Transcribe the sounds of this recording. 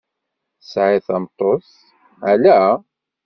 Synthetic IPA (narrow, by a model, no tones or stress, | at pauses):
θsʕɪθɑmt̪ˤos | ælæ